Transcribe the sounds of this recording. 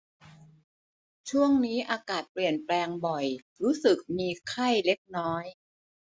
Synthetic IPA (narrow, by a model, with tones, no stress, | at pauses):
t͡ɕʰu˥˩əŋniː˦˥ʔaː˧kaː˨˩t̪̚pli˨˩ənplɛː˧ŋbɔ˨˩j | ɾuː˦˥sɯ˨˩k̚miː˧kʰa˥˩jle˦˥k̚nɔː˦˥j